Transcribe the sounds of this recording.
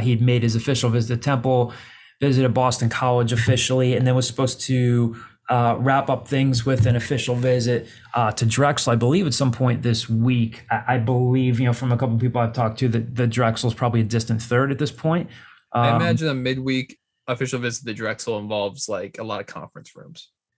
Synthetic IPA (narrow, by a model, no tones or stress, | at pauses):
id̚meɪɾ̚ɨzɨfɪʃl̩ˠvɪzɨt̪ðɨtʰɛ̃mpl̩ˠ | vɪzɨɾɨt̚b̥ɔstn̩kʰɑlˠəd͡ʒɨfɪʃl̩ˠiɨ̃nðɨ̃nwʌz̥sə̥pʰoʊz̥tʰɨ | ɹæpʌp̚θɪ̃ŋzwɪðɨ̃nɨfɪʃl̩ˠvɪzɨt̚ | tʰɨdɹɛksl̩ˠaɪbəlivɨtsʌ̃mpʰɔ̃ɪ̃nðɪswikaɪʔaɪbəlivjɨnoʊfɹʌ̃məkʰʌpl̩ˠpipl̩ˠaɪv̥tʰɔk̚tʰɨðɨt̪̚ðɨdɹɛksl̩ˠz̥pʰɹ̥ɑbəbliɨdɪstɨ̃nθɜ˞ɾɨt̪̚ðɪspʰɔ̃ɪ̃nt̚ʔʌaɪɨmæd͡ʒɨ̃nɨmɪd̚wik | ɨfɪʃl̩ˠvɪzɨt̪̚ðɨdɹɛksl̩ˠə̃ɱvɑlˠvz̥laɪkəlɔ̰ɾʌv̥kʰɑ̰̃ɱfɹɨ̃nsɹʉ̰̃mz̥